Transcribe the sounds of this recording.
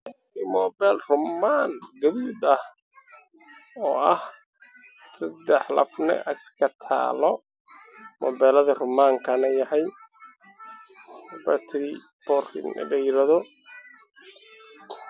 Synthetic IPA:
imɔːbɛlrʊmaːnɡɐðuːd̪ɐh | ɔːʔɐh | sɐd̪ɛħlɐ̰fnɛ̰ʔɐ̰kt̪ʰkʰɐt̪ʰa̰ːlɔ | mɔ̰bɛːlɐðɐrʊmaːŋkʰɐnɐjɐhɐj | bɐt̪ʰɾi | b̥ɔrɪ̰n̰ɖɛjɾɐðɔ

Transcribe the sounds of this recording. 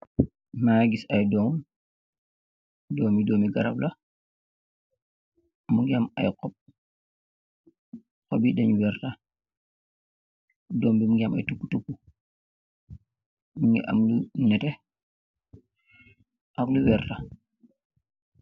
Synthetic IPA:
maɡisajdɔːm | dɔːmidɔːmiɡaɾabla | muŋɡama̰jqɔp̚ | kɔbidɛɲwɛɾta | dɔːmbimuɡama̰jtukːutukːu | muŋḭʔa̰mlunɛtɛ | ʔakluwɛɾta

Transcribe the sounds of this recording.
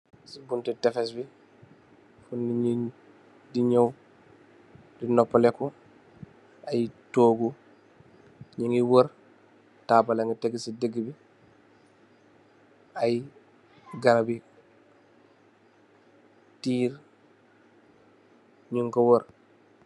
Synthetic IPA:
sibuntitɛfɛs̬bi | funiɲi | diɲow | dinɔpːlɛku | ajtoːɡu | ɲiŋiwoɾ | taːbalaŋɡəteɡisidəɡːibi | aj | ɡaɾabi | tiːɾ | ɲuŋkɔwoɾ

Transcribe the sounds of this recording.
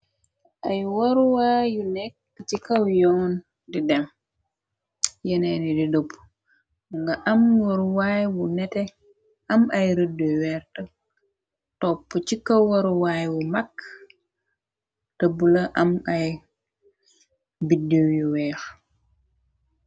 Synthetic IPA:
ʔajwoɾuwaːjunɛk̚ːt͡ʃikawjɔːn | didɛm | jɛnɛnididopː | ŋɡaʔɐmwoɾuwaːjwunɛtɛ | ʔɐmɐjɾədojwɛːɾtɐ | tɔpːət͡ʃikawwoɾuwajwumakː | təbulɐʔɐmaj | bidiwjuwɛːx

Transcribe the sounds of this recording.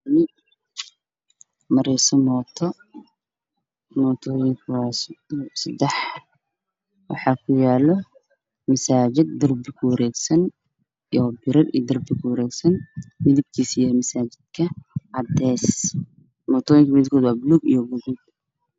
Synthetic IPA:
nɪ | mɐɾɛsɔmɔːt̪ʰɔ | mɔːt̪ʰɔːjɪŋkʰɐwɑsɐd̪ɛħ | wɑ̰ħɑːkʰʊjaːlɔ | mɐsaːt͡ʃɪd̪̚ːɐrbɪkʰʊwɐɾɛːɡsɐn | ɔbɪɾɐɾḭjd̪ɐrbɪkʰʊwɐɾɛːɡsɐnmɪðɪb̚kʰiːsijɐmɐsaːt͡ʃɪd̪kʰɐʕɑd̪ɛːs | mɔːt̪ʰɔːjɪŋkʰɐmɪðɪb̚kʰɔːd̪wɑːbɪluːɡijɔɡʊɣʊd̪

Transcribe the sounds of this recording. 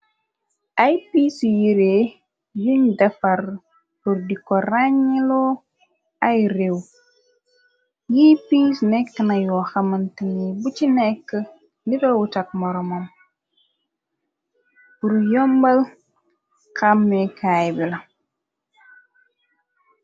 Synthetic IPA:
ʔajpiːsjiɾeː | juɲdɐfar | buɾdikɔraɲːilɔ | ajrew | jiːpisnɛkːənajɔxɐmɐntiɲibut͡ʃinɛkːə | ndiɾɐwutak̚mɔɾɔmom | buɾjɔmbɐl | kamːɛkʰaːjbilɐ

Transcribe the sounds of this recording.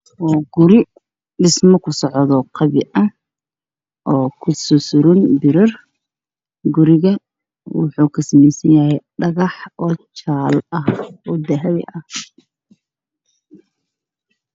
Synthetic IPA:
ɔːɡʊɾɪ | ɖɪsmɐkʰʊsɔʕðɔqʰɑβɪʔɐ | ʔɔːkʰʊsɔsʊɾʊnbɪɾɐr | ɡʊɾɪɣɐ | wɑ̰ħuːkʰɐsɐmɛjsɐnjɐɦɛjɖɐɣɑħɔːt͡ʃaːlɐhɔːd̪ɐɦɐβɪ̰ʔɐh

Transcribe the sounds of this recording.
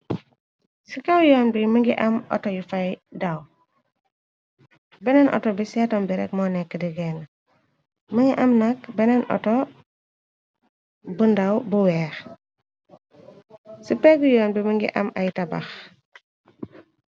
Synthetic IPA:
sikɐwjɔːnbiməŋɡiʔɐmɔ̰tɔjufɐjdɐw | bɛnɛnʔɔ̰tɔbisɛːtɔmbiɾɛ̰kmɔnɛkːədiɡɛːn | məŋɡiʔɐmnɐkbɛnɛnʔɔ̰tɔ | bundɐwbuwɛːx | sipɛɡujɔːnbiməŋɡḭʔɐ̰mɐjtɐbɐ̰x

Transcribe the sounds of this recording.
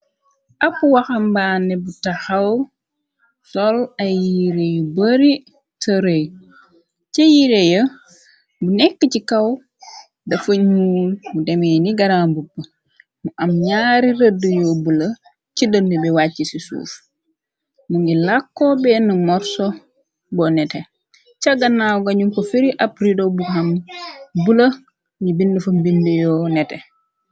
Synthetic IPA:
ʔɐpːuwɐxɐmbaːnɛbutɐxɐw | sɔlɐjːiɾejubəɾi | tɐɾəj | cɐjiɾejə | bunɛkːəcikɐw | dɐfəɲuːmudɛmɛːniɡɐɾaːmbupːə | muʔɐmɲaːɾiɾədəjɔbulə | cidənːubɛwacːisisṵːf | muŋɡilakːɔbɛnəmɔɾsɔ | bɔnɛtɛ | t͡ʃaɡanːawɡaɲumkɔfiɾiʔapɾidobuhambulə | ɲibindəfɐmbindujɔːnɛte

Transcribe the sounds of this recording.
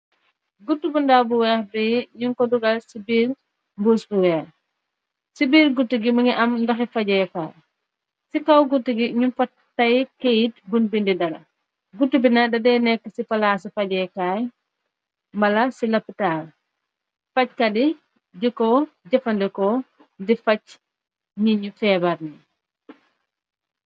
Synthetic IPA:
ɡutːubundabuwɛːbɛɲuŋkɔduɡalsibiːɾ | mbusbuwɛːx | sibiːɾɡutːiɡiməŋiʔɐmndɐxɛfaɟɛːkaːj | sikawɡutːiɡiɲunfa | tːajkejit̚bunbindidɐɾɐ̰ | ɡutːubinadɐdɛnɛkːəsifɐlasifɐɟɛːkaj | mbɐlɐsilɐpːitaːl | fɐc̚kɐdi | ɟikɔɟɐfɐndɛkɔ | ndifɐc | ɲiɲufɛːbɐɾni

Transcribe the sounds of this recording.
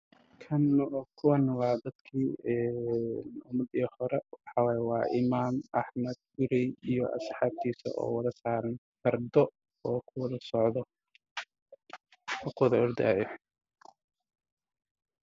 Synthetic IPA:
kʰɐnːkʰʊwɐnwɑːd̪ɐd̪kʰiːɛnʊmɐd̪iːhɔɾɛwɑħɑwɑːjɛwɑːʔɪmaːmʔɑħmɐd̪̚ɡʊɾɛjijɔʔɐ̰sħɑːb̚t̪ʰiːsɐ̰ʔɔ̰ːwɐðɐsaːɾɐn | fɐrd̪ɔ | ɔːkʰʊwɐðɐsɔʕðɔ | ʊkʰwðɐɔrd̪aːjɔ

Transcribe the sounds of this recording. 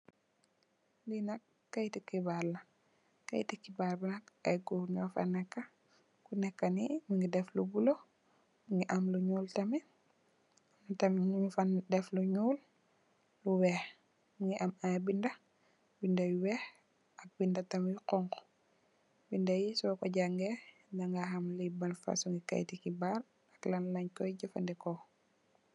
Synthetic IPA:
linɐkːɐjtikːibaːlɐ | kɐ̰jtikːibalbinɐk̚ɐjɡuɲɔfa̰nːɛkːɐ | kunɛkːɐnimiŋɡidɛflubulo | miŋɡiʔɐmluɲuːltɐmi | mtɐmmfandɛfluɲuːl | luwɛh | muŋɡiʔamabindɐ | bindajiwɛh | ʔak̚bindatɐmjiqɔŋkɔ̥ | bindajisɔkɔɟaŋɡɛ | daŋɡaɦamlibanfa̰suŋɡika̰jtikibaɾ | aklanlaɲkɔjɟafa̰ndɛkɔ

